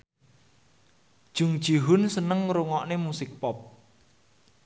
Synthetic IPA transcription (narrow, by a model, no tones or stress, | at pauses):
d̥ʒ̥ṳŋd̥ʒ̥i̤ɦʊnsənəŋɾuŋɔʔnemusɪk̚pɔp̚